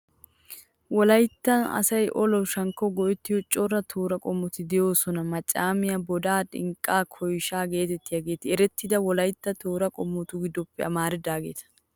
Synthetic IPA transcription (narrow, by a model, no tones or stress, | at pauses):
wɔlɐjt̪ːɐnɐ̰sɐjʔɔlɔwʃɐŋkːɔɡɔʔɛt̪ːɪjɔt͡ʃʼɔrːɐt̪ʰoːɾɐkʼɔmːɔt̪ɪd̪ɛjo̞ːsɔnɐmɐt͡ʃʼːaːmɪjɐbɔd̪aːᶑʼɪ̰ŋkʼːaːkʰɔjʃaːɡe̞ːt̪ɛt̪ːɪjaɡe̞ːt̪ɪɛɾɛt̪ːɪd̪ɐwɔlɐjt̪ːɐt̪oːɾɐkʼɔmːɔt̪ʊɡɪd̪ːɔpːɛɐmaːɾɪd̪aːɡe̞̰ːt̪ɐ̥